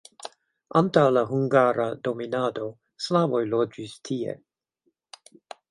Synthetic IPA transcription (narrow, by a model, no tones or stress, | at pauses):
ʔantawlaɦuŋɡaɾado̞minado̞ | slavojlod͡ʒistʰiḛ